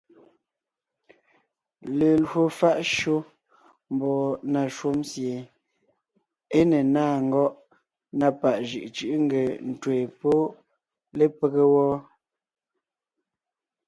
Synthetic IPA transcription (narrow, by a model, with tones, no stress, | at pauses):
le˨lho˨fa˦ʔʃo˦ | m˨bɔ˨na˨ʃo˦msje˨ | e˦ne˨naː˦˨ŋ̩˦ɡɔ˦ʔ | na˦˨pa˨ʔʒɯ̰˨ʔt͡ʃɯ˦ʔŋ̩˦ɡe˨n̩˨tweː˨po˦ | le˦pe˦ɣe˦wɔː˦